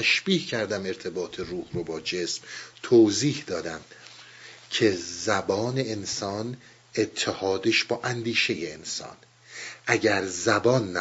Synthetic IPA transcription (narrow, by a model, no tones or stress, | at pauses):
æʃb̥iːcʰæɾd̪æme̞ɾt̪ʰe̞bɒːt̪ʰe̞ruːhrobɒːd͡ʒe̞smt̪ʰoːziːhd̪ɒːd̪æm | cʰe̞zæbɒːne̞ːnsɒːn | et̪ʰːehɒːd̪eʃbɒːʔænd̪iːʃe̞jeensɒ̰ːn | ʔæɟæɾzæbɒːnː